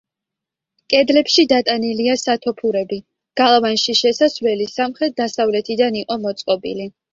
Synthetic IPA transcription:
kʼɛd̪lɛpʃid̪at̪ʼaniliasat̪ʰɔpʰuɾɛbi | ɡ̥alˠvanʃiʃɛsasvlɛlisamχɾɛt̪̚d̪asavlɛt̪ʰid̪aniqʼɔmɔt̪sʼqʼɔbḭli

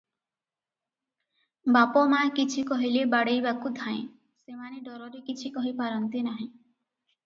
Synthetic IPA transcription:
bapɔmakit͡ʃʰikɔɦilebaɽejbakud̪ʱãḛ̃ | semaniɖɔɾɔɾekit͡ʃʰikɔɦipaɾɔnt̪inaɦĩ

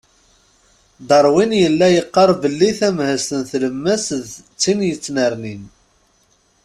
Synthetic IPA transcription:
d̪ɑɾˤwinjəlːæjəqːɑɾˤbəlːiθæmhəsənθləmːæsðt͡sːinjət͡sːnəɾnin

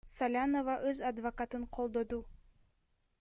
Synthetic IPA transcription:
sɐlʲanovɑʔøzɑd̪vɐkat̪ɯɴqʰo̞lˠd̪o̞d̪u

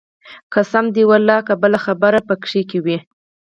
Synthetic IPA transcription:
kasamd̪iwalːɑkabəlaxabaɾapəkʂikewi

